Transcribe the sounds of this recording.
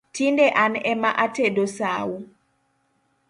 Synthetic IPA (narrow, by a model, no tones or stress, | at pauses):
tindɛʔanɛmaʔatedosawu